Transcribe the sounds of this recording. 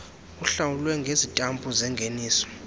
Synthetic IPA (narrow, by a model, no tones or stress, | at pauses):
uɬawulwɛŋɡʱezitʼambʼuzɛŋɡʱeniːsɔ̥